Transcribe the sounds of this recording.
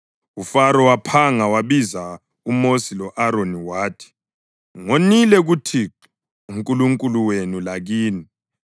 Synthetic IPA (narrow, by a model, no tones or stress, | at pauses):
ufaɾɔwapʰaŋawaβiza | umosilɔʔaɾoniwaːtʰi̥ | ŋonilɛɣutʰi | uŋkʼuluŋkʼuluwenulaɣiːni